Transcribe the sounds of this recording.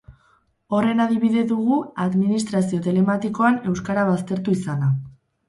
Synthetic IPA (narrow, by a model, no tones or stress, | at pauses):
o̞re̞naðiβ̞iðe̞ðuɣ̞uaðminist̪ɾasio̞t̪e̞le̞mat̪iko̞ane̞wskaɾaβ̞ast̪e̞ɾt̪uisana